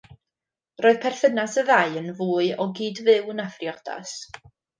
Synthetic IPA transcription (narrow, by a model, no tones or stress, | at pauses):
roːɨð̥pʰɛrθənasəðaɨənvuːɨɔɡiːdvɪwənafrjɔd̥a̰s